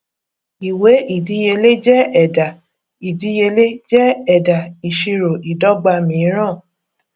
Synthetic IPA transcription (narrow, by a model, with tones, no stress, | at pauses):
i˨we˨˦ʔi˨di˨˧˦je˧le˦d͡ʒɛ˦ɛ˨da˨ | i˨di˧˦je˧le˦d͡ʒɛ˦ɛ˨da˨i˨ʃi˧ɾo˨ʔi˨dɔ˦ɡ͡ba˧mĩ˨˦ɾ̃ãː˦˨